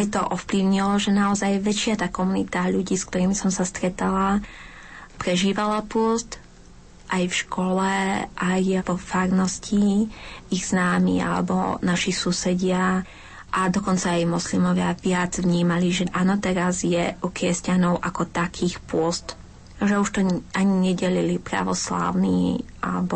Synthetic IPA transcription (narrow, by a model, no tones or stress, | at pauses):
ajt̪ɔʔɔfpliʊɲilɔʒɛnaɔzajʋɛt͡ʃɪat̪aːkɔmunit̪aʎuɟiːsk̚t̪ɔɾiːmisɔmsast̪ɾɛt̪ala | pɾɛʒiːʋalapʊɔst̪ | ʔajfʃkɔlɛʔajʋɔfaːɾnɔsci | iɣz̥naːmḭa̰lɛ̰bɔ̰naʃisusɛɟɪa | ʔad̪ɔkɔnt͡saːjmɔslimɔʋɪaʋɪad͡zʋɲiːmaliʒɛʔanɔt̪ɛɾazjɛukɾɪɛscanɔʊʔakɔt̪akʰiːxpʊɔst̪ | ʒɛuʃt̪ɔʔaɲiɲɛɟɛlilipɾa̰ʋɔsla̰ːʊniːʔa̰lɛbɔ